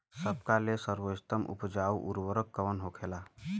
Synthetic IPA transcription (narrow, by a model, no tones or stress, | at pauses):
səbkalesəɾʋost̪əmʔṵpd͡ʒaːuʔuɾwəɾəkːəʋənɦokʰela